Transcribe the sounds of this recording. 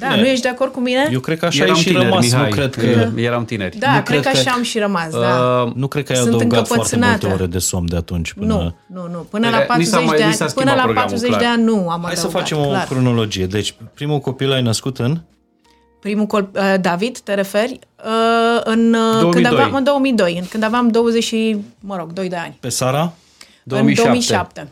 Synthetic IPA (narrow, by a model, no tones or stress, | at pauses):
d̪anujeʃ̬d̪e̞ako̞rd̪̚kumine̞jewkɾe̞d̪̚kəaʃajeʃiɾəmainujkɾed̪kəjeɾamt̪ineɾʲd̪aukɾekəaʃaamʃiɾəmasəd̪anukɾed̪̚kəajjaɨnd̪əɨɨŋɡkaəfpəaɾsenat̪t̪eoɾed̪e̞somd̪eat̪unt͡ʃʲpɨnuə̰ | nunupɨnəlapat̪ɾuet͡ʃdeaanʲsaspɨnəlapat̪ɾuzet͡ʃd̪eanʲnuamaaj̪osəfatt͡ʃe̞molkɾono̞lo̞d͡ʒije̞d̪e̞t͡ʃʲpɾimuko̞pilajnəskut̪ɨn | pɾimukoəd̪avid̪t̪eɾe̞fe̞rʲəɨnkɨnd̪aveamɨnd̪o̞wəmijd̪ojɨnkɨnd̪aveamd̪o̞wəzeʃiməɾo̞ɡd̪o̞jd̪e̞anʲpe̞saɾa | d̪oɨnmiomijʃap̚t̪e